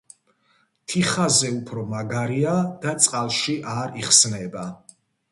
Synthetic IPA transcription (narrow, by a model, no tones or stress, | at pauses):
t̪ʰiχazɛupʰɾɔmaɡaɾiad̪̥at̪sʼqʼalˠʃiʔaɾiχsnɛba